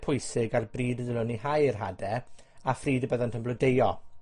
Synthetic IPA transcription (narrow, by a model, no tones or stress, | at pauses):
pʰʊjsɪɡarbriːdəðɪlʊnihajrɦadɛ | afriːdəbəðɔntʰəmblɔdejɔ